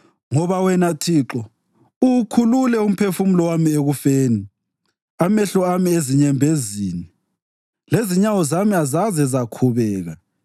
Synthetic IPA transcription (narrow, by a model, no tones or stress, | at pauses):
ŋɔβawɛnatʰiǁɔ | ukʰululɛum̩pʰefumulɔwamieɣufeːni | amɛɬɔamieziɲɛmbʱeziːni | leziɲawɔzamiazazɛzakʰuβɛːɣa